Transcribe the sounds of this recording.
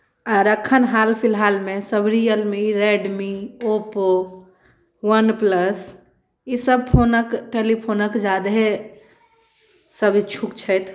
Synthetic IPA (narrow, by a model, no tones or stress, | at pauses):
aːɾəkʰənɦalpʰilɦalmẽsəbʱɾijəlmiɾeɖmiopo | wənpləs | isəb̚pʰonəkʈelipʰonəkd͡ʒad̪ɦe | səbʱt͡ʃʰukt͡ʃʰət̪ʰ